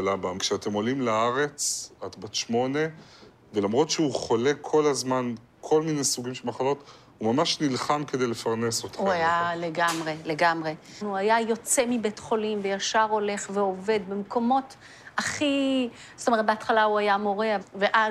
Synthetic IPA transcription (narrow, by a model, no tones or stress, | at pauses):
labamkʃeate̞mo̞limlaaʁe̞t͡sat̪batʃmo̞ne̞ | velamʁo̞tʃeuχo̞le̞kʰo̞lazman | kʰo̞lmine̞jsuɡimʃemaχalo̞t | humamaʃnilχamke̞d̪e̞jlefaʁnesot̪ʰauajaleɡamʁele̞ɡamʁe̞ | nuajajo̞t͡se̞mibetχo̞limvejaʃaʁo̞le̞χveo̞ve̞d̪bemko̞mo̞t | aχi | zotomet̪̚beat̪χalauajamo̞ʁe̞aveʔa